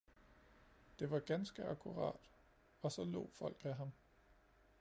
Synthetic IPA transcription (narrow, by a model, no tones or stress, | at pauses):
d̥e̝ʋɑ̈ɡ̥ænsɡ̥əækʰuʁɑ̰̈ːd̥ | ɒ̽sɒ̽lɔ̰̽ːfɒ̽l̰ɡ̥æɦɑ̈m